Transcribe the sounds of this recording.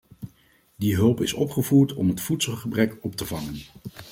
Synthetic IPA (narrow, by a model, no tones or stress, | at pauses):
diɦɵlˠpɪsɔpχəvuːɹtɔmɦətfutsəlˠχəbrɛkɔp̚təvɑŋən